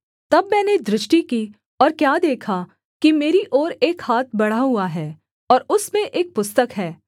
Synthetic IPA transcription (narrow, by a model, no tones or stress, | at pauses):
t̪ɐbmɛ̃ːned̪ɾɪʃʈiki | ɔːɾkjaːd̪eːkʰa | kimeːɾiʔɔːɾeːkhaːt̪̚ʰbɐɽ̤aɦʊaɦɛː | ɔːɾʊsmẽʔeːk̚pʊst̪əkɦɛː